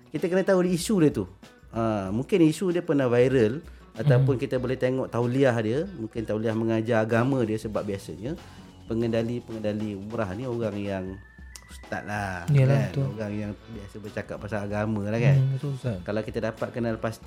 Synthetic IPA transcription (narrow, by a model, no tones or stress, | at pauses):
kit̪əkənət̪audiːsudiət̪u | əmuŋkɪnisudiəpərnavajɾəl | at̪aupʊnkit̪abolɛht̪eŋɔʔt̪auliahdiəmũŋkɪnt̪auliahməŋad͡ʒaːɡamãdiəsəbap̚biasəɲə | pəŋəndalipəŋəndaliumuɾahnioɣaŋjaŋ | ust̪a̰t̪̚laanoɣaŋjaŋbiasəbərt͡ʃakap̚pasalaɡamãlahkant̪kalawkit̪adapat̪̚kənalpast̪i